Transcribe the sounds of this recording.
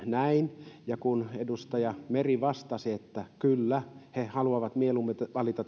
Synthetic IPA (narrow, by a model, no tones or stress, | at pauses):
næinjɑkunedust̪ɑjɑmeriʋɑst̪ɑsiet̪ːækylːæhehɑluɑʋɑt̪mielumet̪ʋɑlit̪ɑt̪